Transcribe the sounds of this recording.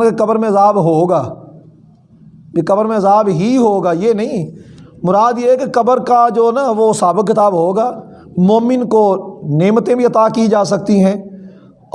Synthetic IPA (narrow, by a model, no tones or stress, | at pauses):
kekɐbəɾmẽɐzaːbɦoːɡaː | jekɐbəɾmẽɐzaːbɦiɦoːɡaːjeːnɐɦĩmʊɾaːd̪jeːkekɐbəɾkad͡ʒoːnaʋoːsaːbɪkːɪt̪aːbɦoːɡaː | moːmɪnkoneːmt̪ẽbʱiɐt̪aːkid͡ʒaːs̬ɐk̚t̪iɦɛ̃ː